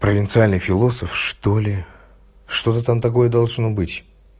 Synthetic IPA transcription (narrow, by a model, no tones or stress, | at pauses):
pɾəvʲɪnt̪sɨalʲnɨjfʲɪlˠo̞səfʂt̪olʲɪ | ʂt̪o̞t̪ət̪amt̪ɐko̞jəd̪ɐlˠʐno̞bɨtʲ